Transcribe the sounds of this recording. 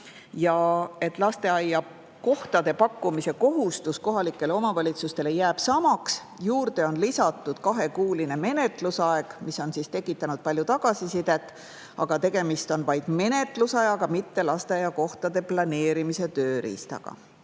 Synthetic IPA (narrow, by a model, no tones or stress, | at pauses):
jɑe̞t̪ːˑlɑst̪e̞ɑjːɑ | ko̞ht̪ɑd̪e̞pɑkːumise̞ko̞ɦust̪usko̞ɦɑlikˑːe̞leo̞mɑvɑlʲit̪sust̪e̞le̞jæːb̥sɑmɑks | juːɾd̪̥e̞o̞nlisɑt̪ːˑud̪̥kɑɦe̞kuːline̞me̞ne̞t̪ˑlusɑe̞ɡ̥miso̞nsist̪e̞kːˑit̪ːˑɑnud̪̥̚pɑlʲjut̪ɑɡ̥ɑsisid̪̥e̞t̪ːˑ | ɑɡ̥ɑt̪e̞ɡ̥e̞mist̪o̞nvɑjd̪̥me̞ne̞t̪ˑlusɑjɑɡ̥ɑmit̪ːe̞lɑst̪e̞ɑjːɑko̞ht̪ɑd̪e̞plɑne̞ːɾimise̞t̪ø̞ːɾḭst̪ɑ̰ɡ̥ɑ̰